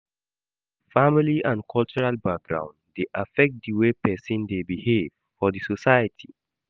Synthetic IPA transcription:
familiʔãnkʰɔlt͡ʃuɹalbak̚ɡɹã̰ʊ̃ndeʔafɛk̚t̚diwepɛsɔ̃ndebihev̥ | fɔdisosajətʰi

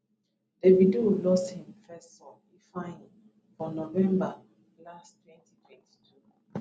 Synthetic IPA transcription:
d̥evidulɔsthĩmfɛssɔ | ifãĩŋ | fɔnovɛ̃mba | lastwɛ̃ntitʰwɛ̃nti̥tʰu

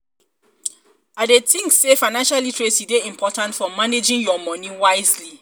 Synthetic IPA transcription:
adetʰĩŋkssefaɪnãnʃalitʰɹesideĩmpʰɔtãntfɔmaned͡ʒĩŋjɔmɔ̃nĩwaɪzli

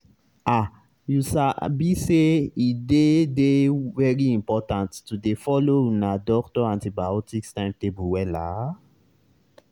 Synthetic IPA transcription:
a | jusabiseidedevɛɹiĩmpɔtãntːudefɔlonadɔktɔãntibaɔtikstãɪ̃mtebuwɛla̰

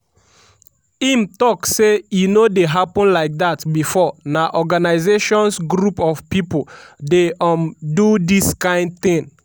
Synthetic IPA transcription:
imtɔksejunodeɦapɔ̃nlaɪk̚datbifɔnaʔɔɡanaɪzeʃɔ̃nsɡɾupɔvpipoldeɔ̃mdudiskãɪ̃nd̚t̪ĩn

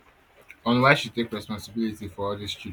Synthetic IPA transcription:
ɔ̃nlɛsjutekɹɛspɔ̃nsəbilitifɔɔdist͡ʃu

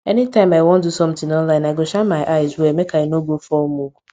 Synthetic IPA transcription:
ɛnitãɪ̃maɪwõndusɔ̃m̩tɪ̃ŋɔ̃nlãɪ̃naɪɡoʃãnmaɪʔaɪzwemekainoɡofɔmokʷu

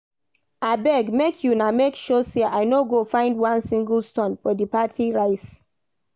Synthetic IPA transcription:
abɛɡmekʰjunamekʃɔseʔaɪnoɡofãɪ̃ndwãnsĩŋɡl̩ˠstɔ̃nfɔdipatʰiɹaɪs

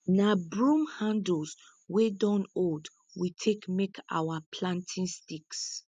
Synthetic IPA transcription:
nabɹũmhãnds | wedɔ̃nod | witʰekmekʰa̰wapʰlãntʰĩnstiks

